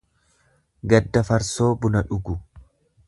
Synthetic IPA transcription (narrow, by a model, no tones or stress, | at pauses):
ɡɐd̪ːɐfɐɾso̞ːbʊnɐᶑʊɡʊ